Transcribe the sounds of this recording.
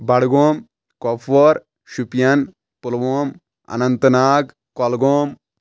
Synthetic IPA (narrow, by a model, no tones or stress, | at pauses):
bɐɽɡoːm | kopʰoːɾ | ʃupijɐn | pulʋoːm | ɐ̰nɐnt̪ɐnaːɡ | kolɡoːm